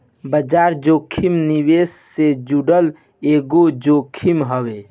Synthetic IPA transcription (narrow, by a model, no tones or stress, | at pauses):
bəd͡ʒaɾd͡ʒokʰimniwesːed͡ʒuɖəl | eɡod͡ʒokʰimɦəbe